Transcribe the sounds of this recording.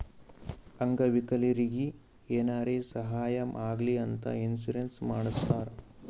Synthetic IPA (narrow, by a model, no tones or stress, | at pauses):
ɐŋɡɐʋikɐliɾiɡi | eːnaːɾeːsɐɦaːjɐmʔaːɡliɐnt̪ɐ̰insuɾensmaːɽust̪ːaːɾ